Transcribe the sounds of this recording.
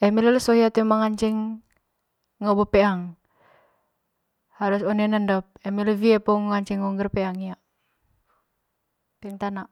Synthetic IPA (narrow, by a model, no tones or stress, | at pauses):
ɛmilɛlsɔɦiat̪umaŋaɲt͡ʃɛŋ | ɔbɔpɛaŋ | haɾusɔnɛnəndɔp̚ɛmileviɛpɔŋaɲt͡ʃɛŋuŋɡərpɛaŋijaʔ | pɛŋt̪anaʔ